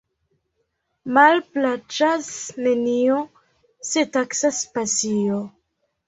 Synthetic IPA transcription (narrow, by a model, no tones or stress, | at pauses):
malplat͡ʃasnenio | se̞taksaspasio